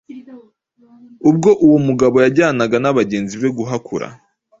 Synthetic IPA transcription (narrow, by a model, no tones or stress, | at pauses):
ub̚ɡo̞ʔuwomuɡaβo̞jaɟaːnaɡanaβaɟe̞ːnziβe̞ɡuɦakʰuɾa̰